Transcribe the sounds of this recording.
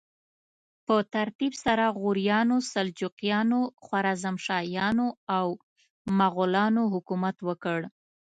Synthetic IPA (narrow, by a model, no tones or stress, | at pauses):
pət̪aɾt̪ibsaɾaɣʊɾijɑnosald͡ʒuqjɑnoxwaɾɑzamʃɑjɑnoaw | maɣʊlɑnoɦʊkumat̪wəkəɽ